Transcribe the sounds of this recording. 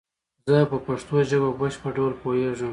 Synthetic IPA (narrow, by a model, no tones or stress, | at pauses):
zəpəpaʂt̪oʒəbabəʃpəɖawlpoeʐəm